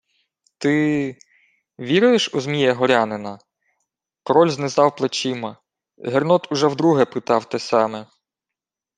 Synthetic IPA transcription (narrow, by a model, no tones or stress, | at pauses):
t̪ɪ | ʋʲiɾʊjeʃuzmʲijɐɦɔɾʲɑnɪnɐ | kɾɔlʲznɪzɑwplˠet͡ʃɪmɐ | ɦernɔt̪ʊʒɛwd̪ɾuɦɛpɪt̪ɑwt̪ɛsɑmɛ